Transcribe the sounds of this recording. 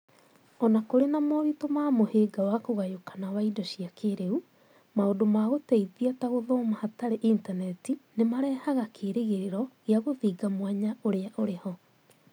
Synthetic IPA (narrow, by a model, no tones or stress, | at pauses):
ɔnakoɾenamoɾitomaːmoheːɡawakoɣajokḁnawaidɔɕiakʰeɾeu | maodomaɣotɛiðiataɣoðɔːmahataɾeʔintanɛtinemaɾɛːhaɣakʰeːɾeɣeɾeɾɔɣeaɣoðiːɡamwaɲaoɾeaʔoɾehɔ